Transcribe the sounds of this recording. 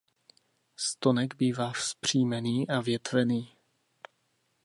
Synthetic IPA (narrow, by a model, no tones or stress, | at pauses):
st̪onɛɡbiːvaːfspr̝̥iːmɛniːʔavjɛt̪vɛniː